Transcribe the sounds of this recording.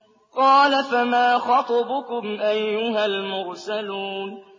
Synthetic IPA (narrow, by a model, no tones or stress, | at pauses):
qɑːlafamaːxɑt̪ˤɑbʊkʊmʔajːʊɦalmʊɾsaluːn